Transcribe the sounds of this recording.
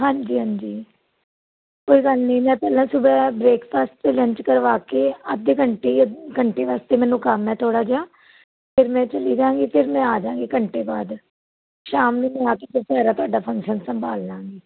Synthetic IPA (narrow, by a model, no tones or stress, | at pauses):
ɦãːɲd͡ʒiːɦãːɲd͡ʒiː | koːiːɡəlnĩːmɛ̃ːpɛːlãːsʊbɛːbɾeːkpʰaːst̪t̪eːlə̃ɲt͡ʃkəɾʋaːkeːəd̪eːkəɳʈeːkəɳʈeːʋaːst̪eːmɛ̃ːnũːkəmɛːt̪ʰoːɽaːd͡ʒaː | pʰɪɾmɛ̃ːt͡ʃəliːd͡ʒãːŋɡiːpʰɪɾmɛ̃ːaːd͡ʒãːŋɡiːkəɳʈeːbaːd̪ | ʃaːmnĩːmɛ̃aːkeːpʰɪɾsɛːɾaːt̪ʊaːɖaːpʰə̃ŋkʃənsəmbaːld͡ʒãːŋɡiː